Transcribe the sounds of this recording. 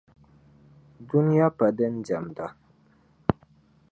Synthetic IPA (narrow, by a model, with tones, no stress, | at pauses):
du˦ni˦ja˦pa˨də˦n̩˦d͡ʒa˨mda˨